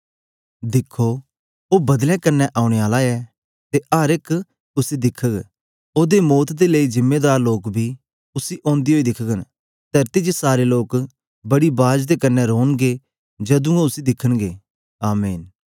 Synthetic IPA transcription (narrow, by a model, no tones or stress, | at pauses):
d̪ɪkʰːo | oːbɐd̪lɛ̃kɐnːɛʔaːʊɽ̃eaːlaɛː | t̪eʔaɾɪkʰ | ʊsid̪ɪkʰːəɡ | oːd̪emoːt̪ʰd̪eləizɪmːeːd̪aːɾloːkbʱi | ʊsiʔɔ̃ːnd̪iɦoːid̪ɪkʰəɡən | t̪ɐɾt̪id͡ʒsaːɾeloːk | bɐɽibaːd͡ʒd̪ekɐnːɛɾoːnɡe | d͡ʒɐd̪ũoʊsid̪ɪkʰənɡeː | aːmeːn